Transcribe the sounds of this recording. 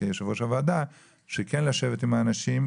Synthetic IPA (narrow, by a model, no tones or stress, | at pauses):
jeʃevoʃavaːd̪a | ʃekenlaʃe̞vet̪imaːnaʃim